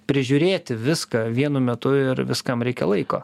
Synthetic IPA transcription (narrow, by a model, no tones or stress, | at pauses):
pʲɾʲɪʒʲʊɾʲeːt̪ʲɪʋʲɪskɐʋʲiɛnʊmʲɛt̪ʊɪɾʋʲɪskɐmɾʲɛɪkʲɛ̰lˠɐɪko̰ː